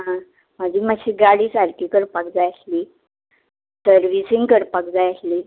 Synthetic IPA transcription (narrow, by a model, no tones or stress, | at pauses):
ɦã | məd͡ʑʱiːməɕʰiːɡaɽiːsaɾkikəɾpəkd͡zajəsliː | səɾʋisiŋɡkəɾpək̚d͡zajəsliː